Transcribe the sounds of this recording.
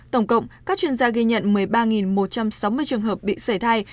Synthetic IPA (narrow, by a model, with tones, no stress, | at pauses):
t̪ə˧˩wŋ͡mkə̰˧˨wŋ͡mkaː˦˥k̚t͡ɕwi˧nzaː˧ɣi˧ɲə̰˧˨nmɨ˨˩əjɓaː˧ŋi˨˩nmo˨˩t̚t͡ɕa˧msa˨˦wmɨ˧əjt͡ɕɨ˨˩əŋɦəː˨˩p̚ɓḭ˧˨sə˧˩jt̪ʰaː˧j